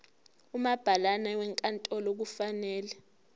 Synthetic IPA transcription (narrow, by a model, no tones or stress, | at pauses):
umab̥ʱalanawɛŋkʼantʼɔlok̬ufanɛːlɛ